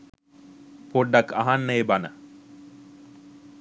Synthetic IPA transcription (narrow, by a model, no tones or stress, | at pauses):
poɖːaka̰ɦanːəebanə